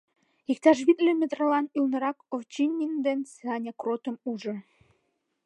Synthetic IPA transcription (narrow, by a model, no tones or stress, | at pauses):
ik̚t̪ɑʃ̬βit̪lømʲĕt̪rəlɑnylnə̆ɾɑkoft͡ɕinʲːind̪ensɑnʲɑkrot̪ə̆muʒɤ̆